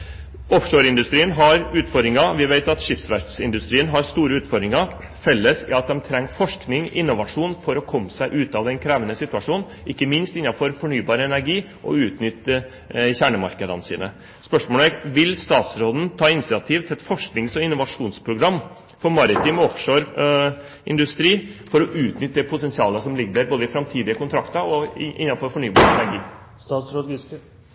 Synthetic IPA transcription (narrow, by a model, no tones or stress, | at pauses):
ɔfʂoːɾɪnd̪ʉst̪ɾiːənɦɑɾʉːt̪fɔɾd̪ɾɪŋɑʋɪʋeɪt̪ɑt̪ʂɪfsʋæɾsɪnd̪ʉst̪ɾiːənɦɑɾst̪uːɾəʉːt̪fɔɾd̪ɾɪŋɑ | fɛlːəsɪɑt̪̚d̪ɛmt̪ʰɾɛŋːfɔʂknɪŋɪnːʊʋɑʂuːnfɔɾɔkʰɔmːəsæɪʔʉːt̪ɑʋd̪ɛnkʰɾæːʋənəsɪt̪ʉɑʂuːn | ʔɪkːəmɪnst̪ɪnːɑfɔɾfɔɳyːbɑːɾəɛnæɾɡiː | ʔɔ̰ʉːt̪nʏt̪ːə | çæːɳəmɑ̰ɾkəd̪ənsḭːnə | spœʂmoːlɛʋɪlst̪ɑːt̪sɾoːd̪n̩t̪ʰɑːɪnsɪɑt̪ʰiːʋt̪ʰɪlɛt̪fɔʂknɪŋsɔɪnːʊʋɑʂuːnspʰɾʊɡɾɑmː | fɔɾmɑɾɪt̪ʰiːmɔfʂoɾ | ʔɪ̰nd̪ʉst̪ɾiːfɔɾɔʔʉːt̪nʏt̪ːpʰʊt̪ɛnsɪɑːləsɔmlɪɡd̪əɾboːd̪əɪfɾɑmt̪ʰiːd̪ɪəkʊnt̪ʰɾɑkt̪ɑɾɔɪ̰nːɑfɔɾfɔɳyːbɑ̰ːɾəɛnæɾɡiː | sɾ